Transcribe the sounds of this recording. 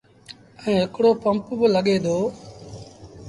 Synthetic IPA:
əĩːɦɪkɽoːpəmpbələɠeːd̪oː

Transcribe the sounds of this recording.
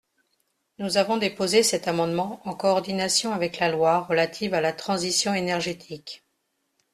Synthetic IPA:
nuzavɔ̃d̪epozesɛt̪amɑ̃d̪mɑ̃ɑ̃kɔːʁd̪inasjɔ̃avɛklalwaʁəlat̪ʰivalat̪χɑ̃zisjɔ̃enɛʁʒet̪ʰik

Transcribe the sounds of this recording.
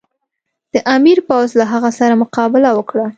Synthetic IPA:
d̪̥əʔamiɾpawzlaɦaɣasaɾamʊqɑbɪlawəkɽa

